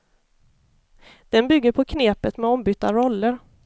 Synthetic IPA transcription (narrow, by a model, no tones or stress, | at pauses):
d̪̥ɛnbʏɡːəɾpʰɔkʰneːpət̪mɛɔmbʏt̪ːaɾɔlːəɾ